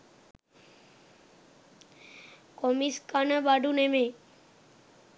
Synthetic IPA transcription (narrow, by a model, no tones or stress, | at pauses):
kɔmiskanəbaɖuneme